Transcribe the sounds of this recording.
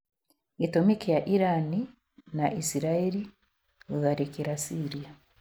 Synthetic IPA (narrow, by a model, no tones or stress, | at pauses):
etomikijaʔiɾani | naʔisiɾaeɾi | uðaɾekiɾasiɾija